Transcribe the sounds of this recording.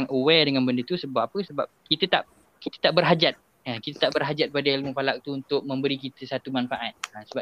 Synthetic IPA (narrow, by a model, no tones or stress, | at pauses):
ŋʔəwɛdəŋanbəndət̪usəbap̚apəsəba̰p̚kit̪ət̪a̰ʔ | kit̪ə̥t̪aʔbərɦad͡ʒat̪̚ | akit̪ət̪aʔbərɦad͡ʒat̪̚padailmupalak̚t̪uːnt̪ʊk̚mə̃mbəɾikit̪əsat̪umanfaʔat̪̚asəba